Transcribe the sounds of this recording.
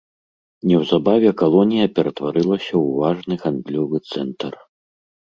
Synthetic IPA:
nʲɛwzabavʲɛkalˠɔnʲijɐpʲɛɾɐt̪vaɾɨlˠɐsʲɐwvaʐnɨɣand̪lʲɔvɨt̪sɛnt̪ɐr

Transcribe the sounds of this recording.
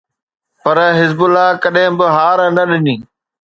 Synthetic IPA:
pɐɾɦɪzbʊlːaːkɐɗɦɪ̃bɪɦaːɾnɐɗɪniː

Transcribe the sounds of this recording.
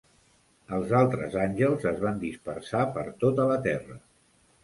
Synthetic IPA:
əlˠzalˠt̪ɾəzanʲʒəlˠzəzβand̪ispərsapəɾt̪ot̪ələt̪ɛrə

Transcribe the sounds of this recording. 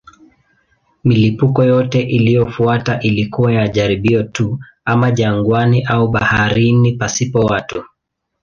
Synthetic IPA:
milipukɔjɔtɛʔilijɔfuataʔilikuwajaʄaɾiɓiɔtu | amaʄaŋɡwaniʔauɓahaaɾinipasipɔwatu

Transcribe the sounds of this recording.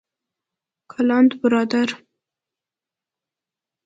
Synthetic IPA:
kʰalɑnd̪bɪɾɑd̪aɾ

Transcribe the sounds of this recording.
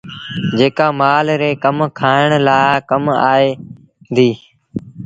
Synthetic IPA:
d͡ʒeːkaːmaːlɾeːkəmkʰaːɪɳ̃laːkəmaːeː | nd̪iː

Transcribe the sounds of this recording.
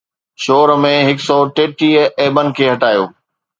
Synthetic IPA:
ʃoːɾmẽɦɪksɔːʈeːʈiːeːbənɪ̆kʰeːɦɐʈaːjoː

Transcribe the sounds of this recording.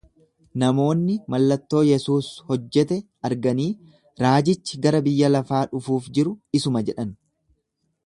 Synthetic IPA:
nɐmo̞ːnːɪmɐlːɐt̪ːo̞ːjɛsuːshɔd͡ʒːɛt̪ɛ | ɐɾɡɐniː | ɾaːd͡ʒɪt͡ʃːɪɡɐɾɐbɪjːɐlɐfaːᶑʊfuːfd͡ʒɪɾʊɪsʊmɐd͡ʒɛᶑɐn

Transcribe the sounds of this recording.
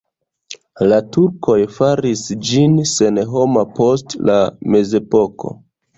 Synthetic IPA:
latuɾko̞jfaɾisd͡ʒinse̞nɦo̞mapo̞stla̰me̞ze̞po̞ko̞̰

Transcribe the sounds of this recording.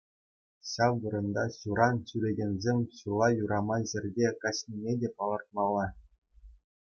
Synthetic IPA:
ɕɑʋʋɤ̆ɾɤ̆nd̪ɑɕuɾɑnɕyɾʲeɡʲenʲzʲemʲɕulˠɑjuɾɑmɑʑɘ̆rʲdʲekɑɕnʲimʲedʲepɑlˠɤrt̪̚mɑlˠːɑ

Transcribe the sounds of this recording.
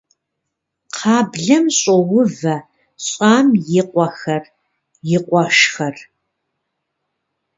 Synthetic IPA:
qʰɑːbɮɐmɕʼɔwʊvɐ | ɕʼaːmjɪqʷɔxɐr | jɪqʷɔʃxɐr

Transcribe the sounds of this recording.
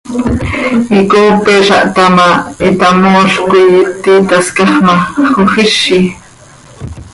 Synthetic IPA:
ikoːpeʃaʔt̪amaet̪amoːʃkʊjt̪it̪askaχmaχoχiʃi

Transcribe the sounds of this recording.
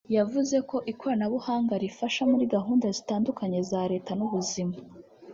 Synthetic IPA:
javuze̞ko̞ʔikʰo̞ɾanaβuhaːŋɡaɾifaʃamuɾiɡaɦuːndazitaːndukaɲe̞zaːɾe̞ːtanuβuzima

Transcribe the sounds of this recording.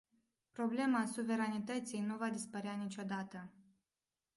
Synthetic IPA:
pɾo̞ble̞masuve̞ɾanit̪ət̪sijnuvad̪ispəɾeanit͡ʃʲo̞d̪at̪ə

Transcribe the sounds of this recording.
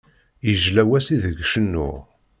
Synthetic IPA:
jəʒlæwæsiðəɡʃənːʊ̰ʁ

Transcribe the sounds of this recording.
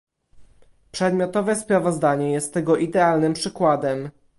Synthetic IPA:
pʂɛd̪mʲjɔt̪ɔvɛspɾavɔzd̪aɲɛjɛst̪ːɛɡɔʔid̪ɛalnɘmpʂɘkwad̪ɛm

